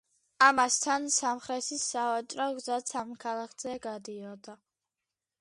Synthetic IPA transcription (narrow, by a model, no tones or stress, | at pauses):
amast̪ʰansamχɾɛt̪ʰisavat͡ʃʼɾɔɡzat̪sʰamkʰalˠakʰz̥ɛɡad̪iɔd̪a